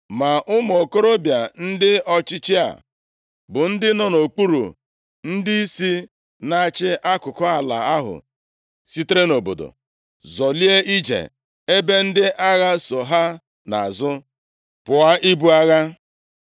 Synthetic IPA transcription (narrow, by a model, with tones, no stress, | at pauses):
ma˨ʔʊ˦m˨o˨ko˦ɾo˦bja˨n̩˦dɪ˦ɔ˦t͡ʃɪ˦t͡ʃɪ˦a̰˨ | bʊ˨n̩˦dɪ˦nɔ˦no˨k͡pu˦ɾṵ˨ | n̩˦dɪ˦i˦si˦ | na˨a˨t͡ʃɪ˦ʔa˦kʊ˨kɔ˦a˨la̰˨a˦ɦʊ̰˨ | si˦tɾe˦no˨bo̰˨do̰˨ | zɔ˨li˦e˦ʔi˦d͡ʒḛ˨ | e˦be˦n̩˦dɪ˦ʔa˦ɣa˦so˨ɦa˦ | na̰˨a˨zʊ˦ | pʊ˨a˦ʔi˦bu˦a˦ɣa˦